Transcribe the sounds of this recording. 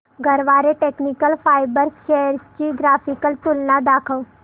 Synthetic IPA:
ɡʱəɾʋaːɾeʈeːknikəlpʰaːɪbəɾʃɛːəɾt͡ʃiɡɾaːpʰɪkəlt̪ʊlnad̪aːkʰəw

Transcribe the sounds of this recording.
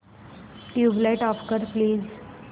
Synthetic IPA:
ʈjublajʈɔfkəɾpliːz

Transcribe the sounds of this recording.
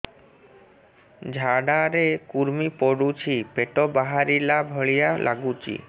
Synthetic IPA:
d͡ʑʱaɖaɾekuɾmipoɽut͡ɕʰipeʈobaɦaɾilabʱɔɭijalʔa̰ɡut͡ɕḭ

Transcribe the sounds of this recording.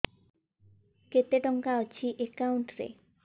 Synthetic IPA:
ket̪eʈɔŋkaot͡ɕʰiʔekawɳʈɾḛ

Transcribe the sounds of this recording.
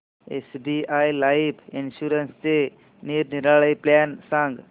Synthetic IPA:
ḛsbiajlajipinɕuɾənst͡se | niɾniɾaɭəjplansãŋɡ

